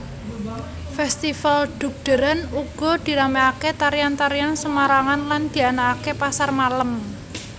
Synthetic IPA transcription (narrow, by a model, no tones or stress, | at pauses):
fɛst̪ifalɖ̪̥ṳk̚d̪̥ə̤ɾanuɡ̥ɔ̤d̪̥i̤ɾameaket̪aɾijant̪aɾijansəmaɾaŋanland̪̥i̤anaːkepasarmalam